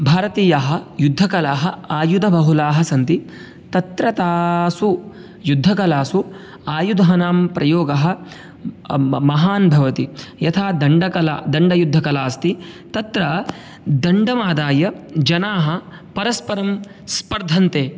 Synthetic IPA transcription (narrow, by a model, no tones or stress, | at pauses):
bʱaːɾɐt̪iːjaɦɐ̆jud̪ʱːɐkɐlaːɦɐaːjud̪ʱɐbʱɐɦulaːɦɐsɐnt̪i | t̪ɐt̪ɾɐt̪aːsu | jud̪ʱːɐkɐlaːsu | aːjud̪ɐɦɐnaːmpɾɐjoːɡɐɦɐ̆ | mɐɦaːnbʱɐʋɐt̪ijɐt̪ʰaːd̪ɐɳɖɐkɐlaːd̪ɐɳɖɐjud̪ʱːɐkɐlaːst̪it̪ɐt̪ɾɐ | d̪ɐɳɖɐmaːd̪aːjɐd͡ʒɐnaːɦɐ̆ | pɐɾɐspɐɾɐm | spɐɾd̪ʱɐnt̪eː